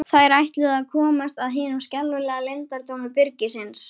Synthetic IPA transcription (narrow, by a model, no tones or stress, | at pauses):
θaɾajht̪lʏðakʰɔːmast̪aðɦɪːnʏmscɛlːʏlɛːɣalent̪aɾ̥t̪ʰownʏpɪɾcɪsɪns